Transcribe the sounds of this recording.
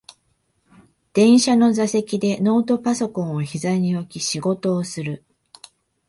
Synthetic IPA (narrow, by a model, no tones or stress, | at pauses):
d̪̥ẽ̞ɰ̃ɕano̞zase̞kʲid̪e̞no̞ːt̪o̞paso̞kõɰ̃oçizaɲ̟io̞kʲiɕiɡo̞t̪o̞ːsɨɾɯ̟